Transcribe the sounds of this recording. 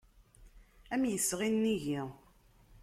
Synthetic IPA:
æmjəsːʁinːiʝi

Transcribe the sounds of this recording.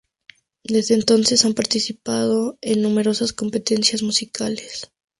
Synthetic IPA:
d̪e̞zðeːnt̪o̞nse̞sampaɾt̪isipaðo̞enːũme̞ɾo̞sasko̞mpe̞t̪e̞nsjazmusikale̞s

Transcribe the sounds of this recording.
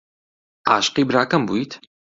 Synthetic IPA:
ʔa̰ːʃqiːbɾaːkɐmbuːit̪ʰ

